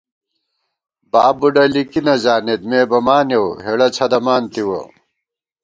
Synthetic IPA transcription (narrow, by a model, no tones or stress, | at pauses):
baːbuɖɐlikinɐd͡ʑaːnet̪meːbɐmaːnjewɦeɽɐt͡ɕʰɐd̪ɐmaːnt̪iwo̰